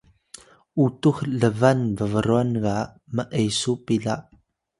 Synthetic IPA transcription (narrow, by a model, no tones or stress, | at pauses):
utuxɮəvanvəvəɾuanɣa | məʔejsupiɮaʔ